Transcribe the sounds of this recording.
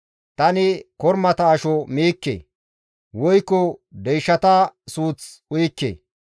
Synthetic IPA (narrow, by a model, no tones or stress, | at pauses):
t̪ɐnɪkɔɾmɐt̪ɐːʃɔmiːkːḛː | wɔjkːɔd̪ɛjʃːɐt̪ɐsuːt͡s | ʊjkːḛː